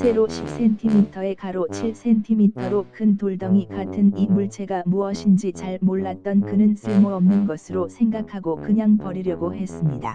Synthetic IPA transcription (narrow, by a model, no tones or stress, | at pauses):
sʰe̞ɾoɕʰip̚s͈e̞ntʰimitʰʌe̞kaɾot͡ɕʰiɭs͈e̞ntʰimitʰʌɾokʰɯntoɭdʌŋikatʰɯnimuɭt͡ɕʰe̞ɡamuʌɕʰind͡ʑit͡ɕaɭmoɭːat̚t͈ʌnkɯnɯnsʰɯɭmoʌmnɯnɡʌsʰɯɾosʰe̞ŋɡakʰaɡokɯɲaŋpʌɾiɾjʌɡohe̞s͈ɯmɲida̰